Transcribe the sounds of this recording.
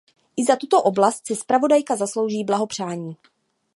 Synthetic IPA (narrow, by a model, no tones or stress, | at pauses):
ʔɪzat̪ut̪o̞ʔo̞blast̪̚sɪspɾavo̞dajkazaslo̞wʒiːblaɦo̞pr̝̥aːɲiː